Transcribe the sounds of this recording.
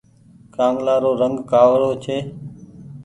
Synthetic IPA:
kãːŋɡlaːɾoːɾəŋɡkaːʋɾoːt͡ʃʰeː

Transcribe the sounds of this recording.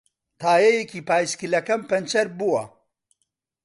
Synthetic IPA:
t̪ʰaːjɐjekiːpaːjskilɐkɐmpɐnt͡ʃɐɾbuwɐ̰

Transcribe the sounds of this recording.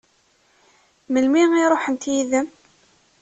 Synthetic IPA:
məlmiŋiɾˤoħənt̪jiðəm

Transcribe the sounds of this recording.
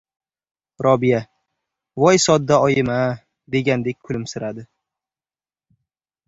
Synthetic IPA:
ɾʔɒbija | vɒjsɒd̪ːaɒjɪma | d̪e̞ɡʲand̪e̞k̚ʲkʰʊlɪmsɪɾad̪ɪ

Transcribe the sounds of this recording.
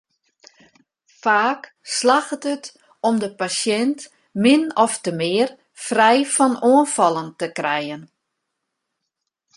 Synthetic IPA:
faːk | slaxətət | ɔmdəpasjɛnt | mɪnɔftəmɪər | frɛjfɔnoənfɔlˠəntəkrɛjən

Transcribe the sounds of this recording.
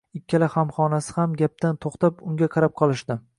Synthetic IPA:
ɪkʲːalahamχɒnasɪ̥hamɡʲap̚t̪ant̪ʰoχt̪apʊŋɡʲaqʰɑɾap̚qʰɒlˠɪʃd̪ɪ

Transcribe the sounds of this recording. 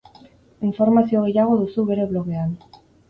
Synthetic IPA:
iɱfoɾmaθjoɣeʎaɣoðusuwβeɾeβloɣean

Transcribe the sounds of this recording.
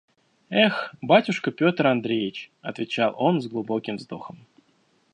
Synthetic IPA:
ɛxbatʲʊʂkəpʲo̞t̪rɐnd̪ɾʲejɪt͡ɕɐt̪vʲɪt͡ɕalˠo̞nzɡlˠʊbo̞kʲɪmvzd̪oxəm

